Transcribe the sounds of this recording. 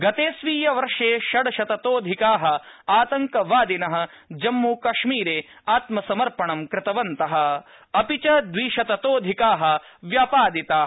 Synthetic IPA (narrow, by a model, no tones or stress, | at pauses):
ɡɐt̪eːsʋiːjɐʋɐɾʂeːʃɐɽɐʃɐt̪ɐt̪oːd̪ʱikaːɦɐ̆aːt̪ɐŋkɐʋaːd̪inɐɦɐ̆ | d͡ʒɐmːuːkɐʂmiːɾeː | aːt̪mɐsɐmɐɾpɐɳɐmkɾɪt̪ɐʋɐnt̪ɐɦɐ̆ | ɐpit͡ʃɐd̪ʋiːʃɐt̪ɐt̪oːd̪ʱikaːɦɐ̆ʋjaːpaːd̪it̪aː